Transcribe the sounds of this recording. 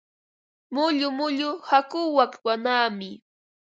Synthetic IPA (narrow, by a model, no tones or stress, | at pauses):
mʊʎʊmʊʎʊhakʊwakwanaːmɪ